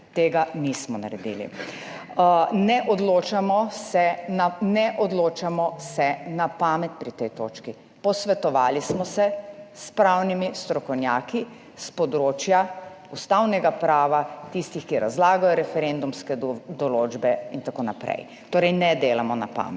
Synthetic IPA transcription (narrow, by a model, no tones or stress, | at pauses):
t̪eːɡanismɔna̰ɾɛd̪ḭlḭ | nɛʔɔd̪loːt͡ʃamɔsɛnanɛʔɔd̪loːt͡ʃamɔsɛnapaːmɛt̪̚pɾit̪ɛjt̪oːt͡ʃki | pɔsʋɛt̪ɔʋaːlismɔsɛspɾawnimist̪ɾɔkɔwnjaːki | spɔd̪ɾoːt͡ʃja | ust̪awnɛɡapɾaːʋat̪ist̪ixkiɾa̰zlaːɡajɔɾɛfɛɾend̪umskɛd̪ɔloːd͡ʒbɛint̪akoːnapɾɛ̰j | t̪oːɾɛjnɛd̪eːlamɔna̰pa̰ːmɛt̪